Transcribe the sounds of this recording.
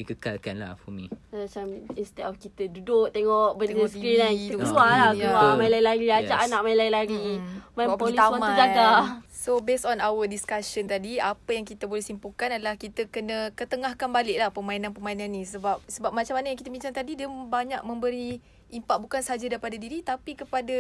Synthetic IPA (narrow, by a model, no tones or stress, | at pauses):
dikəkalkanla̰fɔmḭ̃mat͡ʃaminst̪ɛʔɔfkit̪ədudʊʔ̚t̪eŋɔʔbət̪eŋɔskɾinait̪uəualajaamaĩlaĩlaɡiad͡ʒaʔanaʔ̚maĩnlailaɡimaĩpolit̪amamad͡ʒaɡasobesɔnawədiskaʃənt̪adiapəjaŋkit̪əbolɛhsimpukanadəlahkit̪əkənəkət̪əŋahkanbalɪʔ̚lahpəmainanpəmainãnːĩsəbap̚səbap̚mat͡ʃamːanəjaŋkit̪əmiɲt͡ʃaŋt̪adidiəbaɲaʔ̚mə̃mbəɾi | impaʔ̚bukansəɦad͡ʒadaɾipadadiɾit̪apikəpada